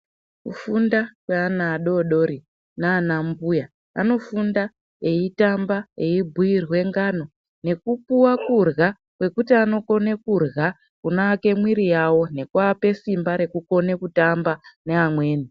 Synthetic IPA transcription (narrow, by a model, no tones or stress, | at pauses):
kufundakweanaːɗo̞ɗo̞ɾi | naːnambuja | a̰no̞funda | eitambaeibʱujirwe̞ŋɡano̞ | ne̞kupuwakurɣa | kwe̞kutiano̞ko̞ne̞kurɣa | kunaːke̞mwiɾijawo̞ne̞kwaːpe̞simbaɾe̞kuko̞ne̞kutambane̞amwe̞ːni